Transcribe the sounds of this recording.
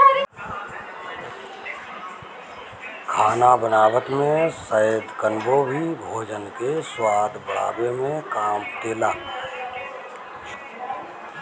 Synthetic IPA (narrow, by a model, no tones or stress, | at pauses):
kʰaːnabənaːwət̪mẽsəjəd̪kənbobʱibʱoːd͡ʒənkeswaːd̪bəɽa̰ːbemẽkaːmt̪eːlaː